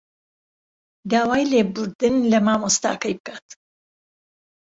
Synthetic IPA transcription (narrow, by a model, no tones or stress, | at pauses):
d̪aːwaːjleːbʊɾd̪ɨnlɐmaːmost̪a̰ːkɐjbɨkaːt̪